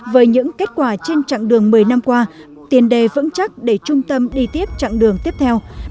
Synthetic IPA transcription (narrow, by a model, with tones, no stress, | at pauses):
vəː˨˦jɲɨ̰˧˥ŋke˦˥t̚kwaː˧˩t͡ɕe˧nt͡ɕa̰˧˨ŋɗɨ˨˩əŋmɨ˨˩əjna˧mkwaː˧ | t̪i˨˩ənɗe˨˩vɨ̰˧˥nt͡ɕa˦˥t̚ɗe˧˩t͡ɕʊ˧ŋ͡mt̪ə˧mɗi˧t̪i˦˥əp̚t͡ɕa̰ː˧˨ŋɗɨ˨˩əŋt̪i˦˥əp̚t̪ʰɛ˧w